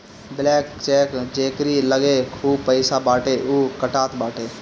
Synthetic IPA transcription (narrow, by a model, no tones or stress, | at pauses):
blɛːkt͡ʃɛːkd͡ʒeːkɾiːləɡekʰuːbpəɪsabaːʈeːʔuːkəʈaːt̪baːʈeː